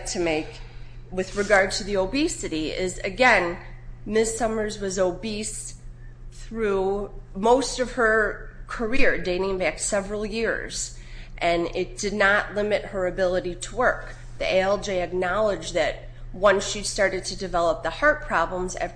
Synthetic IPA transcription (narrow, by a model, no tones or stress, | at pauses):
tʰɨmeɪk | wɨðɹɨɡɑɹd̚tʰɨðioʊbisɨɾiɪzɨɡɛ̃nmɪsʌmə˞zwʌzoʊbis | θθɹumoʊstʌv̥ə˞kʰə˞ɪɹdẽɪ̃nɪ̃ŋbæksɛvɹl̩ˠjɪɹz̥ | ʔɨ̃nɪt̚d̥ɨdⁿnəʔˡlɪ̃mɨt̚hə˞ɨbɪlˠəɾiɾəwɜ˞k | ðiʔeɪɛlˠd͡ʒeɪɨk̚nɑlˠəd͡ʒðɨt̚ | wʌ̃nsʃistɑɹɾɨd̚tʰɨdɨvɛlˠəp̚ðəhɑɹt̚pʰɹ̥ɑblə̃mzɛ̰